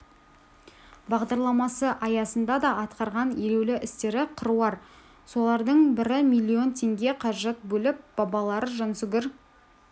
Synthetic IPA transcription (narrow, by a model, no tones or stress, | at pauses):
bɑʁd̪ɑɾlˠɑmɑsəʔɑjɑsənd̪ɑd̪ɑʔɑt̪qɑɾʁɑneɾe̞wlɪʔɪst̪e̞ɾɪqʰəɾuɑɾ | so̞lˠɑɾd̪əɴbɪɾɪmijlʲːio̞nt̪ʲʰe̞ŋɡʲe̞qʰɑʒet̪̚bɵlɪp̚b̥ɑbɑlˠɑɾəʒɑnsʊɡʲɪɾ